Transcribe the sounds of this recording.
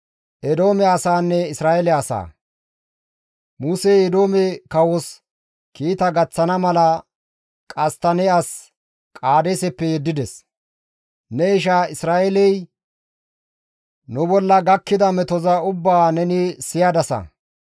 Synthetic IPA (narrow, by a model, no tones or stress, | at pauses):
ʔɛd̪o̞ːmɛɐsaːnːɛɪsɾaːʔɛlɛɐsa̰ː | muːseɛd̪o̞ːmɛkɐwɔs | kiːt̪ɐɡɐt͡sːɐnɐmɐlɐ | kʼɐst̪ɐnɛɐs | kʼaːd̪esɛpːɛjɛd̪ːɪd̪ɛs | nɛɪʃ̬aɪsɾaːɛlɛj | nʊbɔlːɐɡɐkːɪd̪ɐmɛt̪ɔzɐʊbːaːnɛnɪsɪjad̪ɐsɐ̰